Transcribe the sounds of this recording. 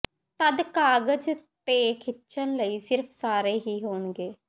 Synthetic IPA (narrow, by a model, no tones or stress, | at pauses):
t̪əd̪kaːɡəd͡ʒt̪eːkʰɪt͡ʃənləiːsɪɾpʰsaːɾeːɦiːɦoːɳɡeː